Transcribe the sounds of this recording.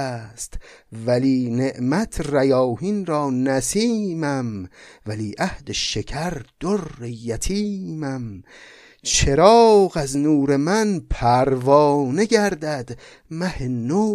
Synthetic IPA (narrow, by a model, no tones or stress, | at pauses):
st̪væliːne̞ʔmæt̪ʰræjɒːhiːnɾɒːnæsiːmæmvæliːʔæhd̪eʃekʰæɾd̪̥orːejæt̪ʰiːmæm | t͡ʃʰe̞ɾɒːɣæznuːɾe̞mænpʰæɾvɒːne̞ɡæɾd̪æd̪ | mæheno